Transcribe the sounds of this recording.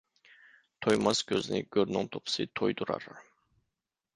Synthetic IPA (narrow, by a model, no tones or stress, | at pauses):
t̪ʰojmɑskʲʰøznɪ̰ɡʲøɾnɪŋt̪ʰopʰɨ̥sɨt̪ʰojd̪uɾɑ̰ɾ